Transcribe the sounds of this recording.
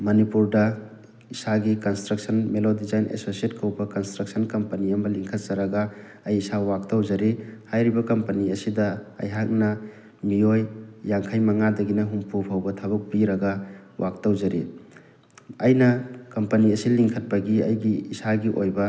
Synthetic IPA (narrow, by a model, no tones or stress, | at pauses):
mɐnipuɾdɐ | isaɡikɐnstɾɐk̚sɐnmelodizajnḛsosiet̚kʰɐwbɐkɐnstɾɐk̚sɐnkɐmpɐniɐmɐliŋkʰɐt̚zɐɾɐɡɐ | ɐjisawak̚tawzɐɾihajɾibɐkɐmpɐniɐsidɐɐ̰jɦak̚nɐ | miojːaŋkʰajmɐŋadɐɡinɐɦumpupʰawbɐtʰɐbɐk̚piɾɐɡɐwʔak̚tawzɐɾi | ɐjnɐkɐmpɐniɐsiliŋkʰɐt̚pɐɡiɐ̰jɡiːsaɡiʔojbɐ